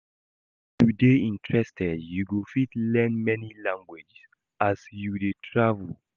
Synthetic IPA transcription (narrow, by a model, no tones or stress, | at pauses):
tudeĩntʰɹɛstʰɛdjuɡofitlɛ̃nmɛnilãŋɡwed͡ʒs | asjudetʰɹavəl